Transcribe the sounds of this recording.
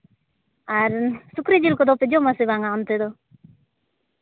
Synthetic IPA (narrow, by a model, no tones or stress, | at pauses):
aɾsukɾid͡ʒilkod̪oped͡ʒomasiβaŋant̪ed̪o